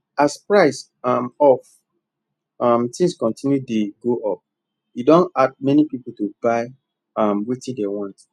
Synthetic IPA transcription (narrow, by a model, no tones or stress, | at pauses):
aspɹaɪs | amɔf | ʌmtĩŋskɔ̃ntʰĩnjudeɡoʔɔp̚ | judõnad̚mɛnipipol̩tubaɪ | amwetĩdewɔ̃nt